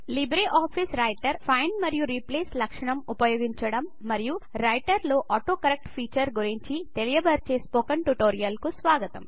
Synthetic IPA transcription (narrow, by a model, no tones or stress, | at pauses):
libɾeːʔaːpʰisɾɐjʈɐɾpʰɐjnɖmɐɾijuɾipleːslɐkʂɐɳɐmupɐjoːɡiɲt͡ʃɐɽɐmːɐɾijuɾɐjʈɐɾloːʔɐʈoːkɐɾek̚ʈpʰiːt͡ʃɐɾɡuɾiɲt͡ʃit̪elijɐbɐɾt͡ʃe̞ːspoːkɐɳʈuʈoːɾijɐlkusʋaːɡɐt̪ɐm